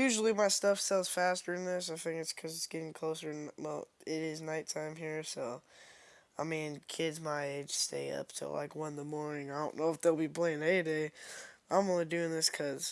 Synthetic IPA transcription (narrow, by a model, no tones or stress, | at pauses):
jʉʒl̩ˠimaɪstʌfsɛlˠz̥fæstə˞ɨ̃nðɪs̬aɪθɪ̃ŋkɨtskʰʌzɨtsɡ̥ɛɾɪ̃ŋkʰl̥oʊsə˞ɨ̃nwɛlˠɪɾɪznaɪtʰãɪ̃mɦiɹsoʊ | aɪmĩnkʰɪdzmaɪeɪd̥ʒ̥stḛɪʌ̰p̚tʰɨ̰la̰ɪkwʌ̃nðəmɔɹnɪ̃ŋaɪdõʊ̃nːoʊəfðeɪlˠbipʰl̥ẽɪɪ̃neɪɨdeɪãɪ̃mõʊnlˠidʉɪ̃ŋðɪskʰʌz̥